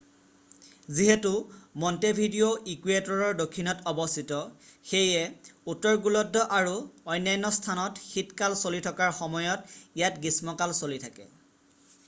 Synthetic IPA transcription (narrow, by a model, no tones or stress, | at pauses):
ziɦetumɔntebʱidioʔikuetɔɹɔɹdokʰːinɔtɔbɔstʰitɔxejɛutːɔɹɡulɔdʱːɔʔaɹuɔjnːajnɔstʰanɔtxitkalsolitʰɔkaɹxɔmɔjɔtijatɡismɔkalsolitʰakɛ̰